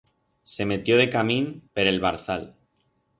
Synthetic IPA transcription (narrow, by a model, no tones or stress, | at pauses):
se̞me̞t̪jo̞ðe̞kamĩnpe̞ɾe̞lβaɾθal